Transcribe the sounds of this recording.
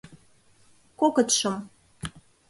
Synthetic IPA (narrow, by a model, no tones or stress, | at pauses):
kokɤt̪ʃɤ̆m